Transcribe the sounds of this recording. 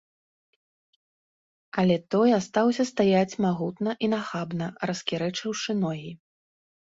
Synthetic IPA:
ɐlʲɛt̪ɔjast̪awsʲɐst̪ajat͡sʲmaɣut̪nɐʔinaxabnɐrɐskʲiɾɛt͡ʂɨwʂɨnɔɣʲi

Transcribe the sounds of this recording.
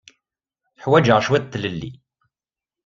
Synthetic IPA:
ħwæd͡ʒəʁʃwæd̪t̪ːləlːḭ

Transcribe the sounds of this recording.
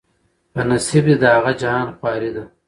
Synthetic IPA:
pɐnɐsibid̪ɐaɣad͡ʒaɑːnxwɑːɾid̪ɐ

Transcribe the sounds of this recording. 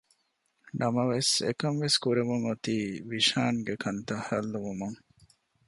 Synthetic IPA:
nɐmɐʋesḛkɐmʋeskuɾeʋuŋot̪iːʋiʃaːŋɡekʰɐnt̪ɐhɐlːuʋumuŋ

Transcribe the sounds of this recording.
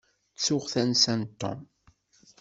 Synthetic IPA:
t͡sːʊʁθænsænt̪ːɔ̰m

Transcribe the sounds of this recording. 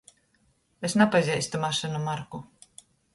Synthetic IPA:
esnapazʲɛjst̪umaʃɛnumaɾku

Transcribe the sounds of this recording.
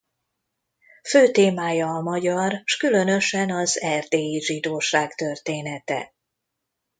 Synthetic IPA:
føːt̪eːmaːjɒːmɒɟɒrʃkylø̞nø̞ʃɛnɒzɛrd̪eːjiʒid̪oːʃaːkt̪ørt̪eːnɛt̪ɛ̰

